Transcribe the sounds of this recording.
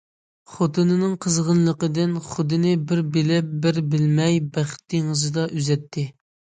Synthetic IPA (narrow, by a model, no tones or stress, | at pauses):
χot̪ʰɨnɨnɨŋqʰəzʁənlˠəqəd̪ɪnχʊd̪ɨnɪbɪɾbɪlɛp̚bɪɾbɪlmɛjbæχt̪̚ːeŋɨzɨd̪ɑʔyzɛt̪ʰːɪ